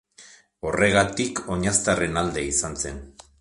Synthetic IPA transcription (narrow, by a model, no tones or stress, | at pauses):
o̞re̞ɣat̪iko̞ɲast̪are̞nald̪e̞isanse̞n